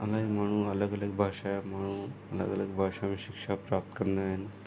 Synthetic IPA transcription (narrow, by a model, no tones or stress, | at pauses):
əlaim̤aɽ̃ũːələɡələɡ̚bʱaʂamaɽ̃ũːələ̰ɡələɡbʱaʂamiɕikʂapɾap̚t̪kəɾnd̪aɦen